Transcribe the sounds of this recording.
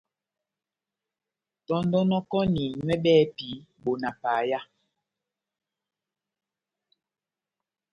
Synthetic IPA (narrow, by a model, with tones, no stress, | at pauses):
tɔ˦ndɔ˦nɔ˦kɔ˦ni˨ɲwɛ˦ɓɛː˦pi˨˦ɓo˨na˨paː˨˦ja˦